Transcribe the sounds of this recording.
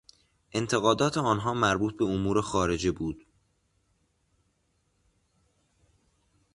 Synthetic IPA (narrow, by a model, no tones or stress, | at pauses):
ʔe̞nt̪ʰe̞ɣɒːd̪ɒːt̪ʰeɒːnɦɒːmæɾbuːt̪̚be̞omuːɾe̞xɒːɾe̞d͡ʒebuːd̪̥